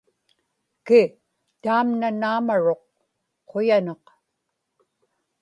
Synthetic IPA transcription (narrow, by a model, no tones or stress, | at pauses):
kɪ | t̪aːmnanaːmaɻo̞q̚ | qʰːojanɑq